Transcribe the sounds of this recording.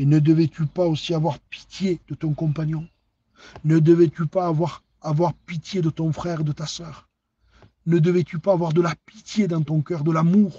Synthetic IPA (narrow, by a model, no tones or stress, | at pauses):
enəd̪əvet̪ypaosiavwaʁpi̥t̪jed̪̥ət̪ɔ̃ŋkɔ̃mpaɲjɔ̃ | nəd̪əvet̪ypaːvwaʁ | avwaʁpit̪jed̪ət̪ɔ̃fχɛʁed̪ət̪asœʁ | nəd̪əvet̪ypaːvwaʁd̪əlapit̪jed̪ɑ̃t̪ɔ̃kœʁd̪əlamuʁ